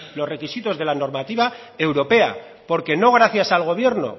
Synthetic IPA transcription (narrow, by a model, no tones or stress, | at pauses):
lo̞sre̞kisit̪o̞zðe̞lano̞ɾmat̪iβa | e̞wɾo̞pe̞a̰ | po̞ɾke̞no̞ɣ̞ɾaθjasalɣ̞o̞β̞je̞ɾno̞̰